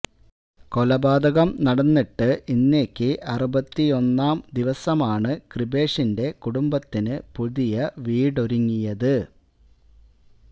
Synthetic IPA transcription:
ko̞lɐbaːd̪ɐɣɐmnɐɽɐnːiʈːɨʔinːe̞ːkːɨʔɐrubɐt̪ːio̞nːaːmd̪iʋɐsɐmaːɳɨkribe̞ːʂinde̞kuɽumbɐt̪ːinɨpuðijɐʋiːɽo̞ɾuŋːijɐðɨ

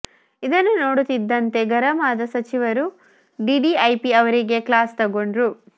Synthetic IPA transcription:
id̪ɐnːunoːɽut̪id̪ːɐnt̪e̞ɡɐɾɐmaːd̪ɐsɐt͡ʃiʋɐɾu | ɖiɖiɐjpiɐʋɐɾiɡe̞klaːst̪ɐɡo̞ɳɖɾu

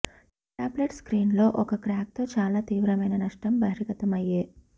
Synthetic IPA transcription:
ʈaːbleʈskɾiːnlo̞ːʔɔkɐkɾaːk̚t̪o̞ːt͡ʃaːlaːt̪iːʋɾɐmɐjnɐnɐʂʈɐmbɐɾiɡɐt̪ɐmɐjeː

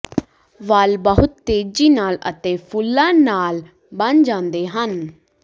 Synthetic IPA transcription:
ʋalbəɦʊt̪ːeːd͡ʒiːnaːlə̰t̪ẽfʰʊlːãːnaːl | bənd͡ʒãːnd̪eɦən

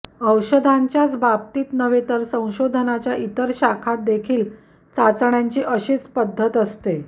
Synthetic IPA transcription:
əwɕəd̪ʱaɲt͡ɕjat͡sbab̚t̪iːt̪nəʋet̪əɾsə̃w̃ɕod̪ʱənat͡ɕjaʔit̪əɾɕakʰat̪̚d̪ekʰiːl | t͡sat͡sɳjaɲt͡ɕiːʔəɕiːt͡spəd̪ʱːət̪əst̪e

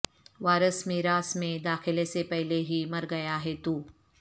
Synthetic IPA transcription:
ʋaːɾəsmeɾaːsmẽd̪aːxɪlesepɛɦleɦimɐɾɡɐjaɦɛt̪uː

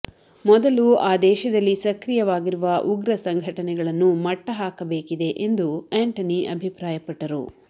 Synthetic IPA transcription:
mɔd̪ɐluaːd̪ɛːʃɐd̪ɐlːisɐkɾijɐʋaːɡiɾuʋɐʔuɡɾɐsɐŋɡʱɐʈɐnɛɡɐɭɐnːumɐʈːɐɦaːkɐbeːkid̪e̞ʔend̪ueːɳʈɐniʔɐ̰bʱipɾaːjɐpɐʈːɐɾṵ

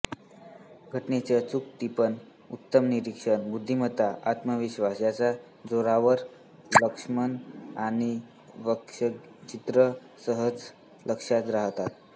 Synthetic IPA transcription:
ɡʱəʈnet͡sat͡suk̚t̪ipən | ut̪ːəmniɾikʂəɳbud̪ʱːimət̪aʔat̪məʋiɕʋasjat͡sa | d͡zoɾaʋəɾ | ləkʂmənañi | ʋəkʂə | t͡ɕit̪ɾə | səɦəd͡z | ləkʂat̪ɾaɦt̪at̪̚

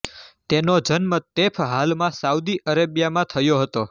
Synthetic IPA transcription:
t̪enod͡ʒənmət̪epʰɦalmãsaud̪iʔəɾabjamãt̪ʰəjoɦət̪o

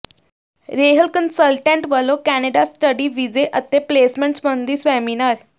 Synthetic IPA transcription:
ɾeːɦəlkənsəlʈẽɳʈʋəlokæneɖasʈəɖiʋid͡zeʔət̪ːepleːsmẽɳʈsmənd̪isʋɛminaɾ

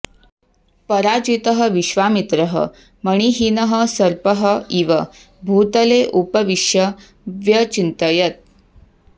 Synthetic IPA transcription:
pəɾad͡ʑit̪əɦəʋiɕʋamit̪ɾəɦə̰ | məɽ̃iɦinəɦəsəɾpəɦəiʋə | bʱut̪əleʔupəʋiʂjə | ʋjət͡ɕint̪əjət̪̚

